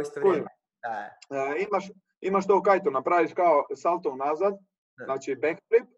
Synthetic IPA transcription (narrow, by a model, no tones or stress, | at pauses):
ku | imaʃ | imaʃt̪oːkajt̪unapɾaːʋiʃkaosalˠt̪ounaːzad̪ | znaːt͡ʃibekt̪ɾip̚